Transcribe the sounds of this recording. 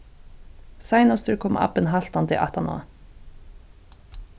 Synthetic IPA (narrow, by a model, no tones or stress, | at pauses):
sæɪnɑst̪ʉkʰɔmʔɑ̰pənɦɑɬt̪ɑnt̪ʰɪ̰ʔɑ̰t̪ʰɑnɑ̰